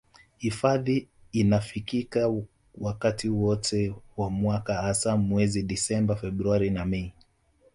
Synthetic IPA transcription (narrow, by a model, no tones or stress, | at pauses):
hifaðiːnafikika | wakatiuwɔtʰɛwamwakahasamwɛziɗisɛmbafɛɓɾuaɾinamɛi